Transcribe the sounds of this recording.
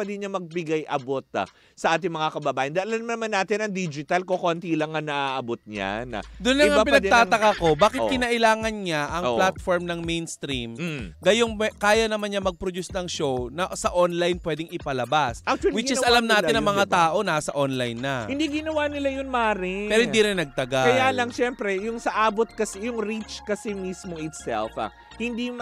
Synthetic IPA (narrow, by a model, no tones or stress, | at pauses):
pɛd̪ɪɲamɐɡ̚bɪɡajʔɐbot̪̚a̰ | sɐʔaːt̪ɪŋmɐŋakɐbɐbaːjɪnd̪aɐlanmɐnɐmanːaːt̪ɪnɐŋd̪id͡ʒɪt̪ɐlkokont̪ilɐŋɐnɐʔaʔɐbot̪̚ɲa̰nɐ̰d̪ʊnlɐŋɐapɪnɐɡd̪t̪aːt̪ɐkako̞baːkɪt̪kɪnɐʔɪlaːŋɐnɲaʔɐŋplat̪foɹmnɐŋmejnst̪ɾimɡɐjo̞ŋkaːjɐnɐmanɲamɐɡ̚pɾod̪usnɐŋʃownɐsɐʔonlajnpwɛːd̪ɪŋɪpɐlɐbasʔɐk̚t͡ʃʊɐlwɪt͡ʃɪsʔɐlamnaːtɪnɐŋmɐŋat̪aːʔo̞naːsɐʔonlajnːɐhɪnd̪iɡɪnɐwanɪlajʊnmaːɾɪpɛːɾohɪnd̪iːɾɪnːɐɡ̚t̪ɐɡakɐjaːlɐŋʃɛmpɾɛjʊŋsɐʔaːbot̪̚kɐsɛjʊŋɾit͡ʃkɐsɛmismoʔɪt̪sɛ̰lfɐ̰ | hɪnd̪i